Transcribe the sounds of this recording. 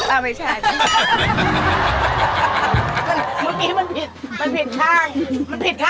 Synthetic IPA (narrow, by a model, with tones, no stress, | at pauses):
a˧˩ma˥˩t͡ɕʰː | nma˧nma˧nki˨˧ma˧npʰi˨˩t̪̚ma˧npʰi˨˩t̪̚kʰaː˧˥˩jma˧npʰi˨˩t̪̚kʰaː